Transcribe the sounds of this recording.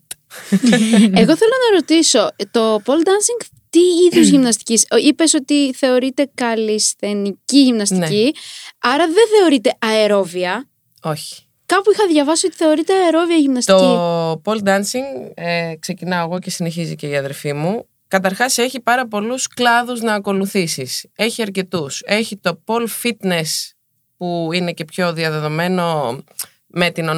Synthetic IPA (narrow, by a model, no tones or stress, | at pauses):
e̞ɣo̞θe̞lo̞nɐɾo̞t̪iso̞t̪o̞po̞ld̪ɐnsiŋɡ | t̪iiðjuzʝimnɐst̪i̥cisipe̞so̞t̪iθe̞o̞ɾit̪e̞kɐlisθe̞niciʝimnɐst̪inciɐɾɐðe̞θe̞o̞ɾit̪e̞ɐeɾo̞viɐ | o̞çi̥ | kɐpuixɐðʝɐvɐsio̞t̪i̥θe̞o̞ɾit̪eɐeɾo̞viɐʝimnɐst̪oipo̞ld̪ɐnsiŋɡekse̞cinɐoɣo̞ce̞sine̞çizice̞iɐðe̞ɾfimu | kɐt̪̬ɐɾxɐse̞çipɐɾɐpo̞lusklɐðuznɐːko̞luθisise̞çiɐɾce̞t̪use̞çit̪o̞po̞lfit̪ne̞s | puine̞ce̞pço̞ðiɐðe̞ðo̞me̞no̞ | me̞t̪ino